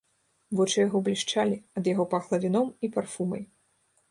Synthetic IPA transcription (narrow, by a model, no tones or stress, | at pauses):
vɔt͡ʂɨjaɣɔblʲiʂt͡ʂalʲiɐd̪jaɣɔpɐxlˠɐvʲinɔmiparfumɐ̰j